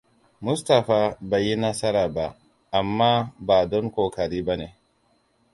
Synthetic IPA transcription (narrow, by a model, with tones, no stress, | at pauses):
mʊ˦sta˨ɸaː˨ba˨ji˦nɐ˦sɐ˦ɾaː˨ba˦ | ʔa˨mːaː˦baː˨dɔ˦ŋkʷoː˨kɐ˨ɾiː˦ba˦neː˨